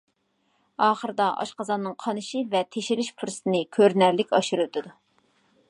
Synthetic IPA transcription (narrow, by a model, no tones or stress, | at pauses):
ɑːχəɾɨd̪ɑʔɑ̰ʃqɑzɑnːɨŋqʰɑnɨʃivɛt̪ʰeʃɪɾɪʃpʰuɾst̪ɨnɨkʲʰøɾnæɾlɪkʲɑʃuɾut̪ʰɪd̪u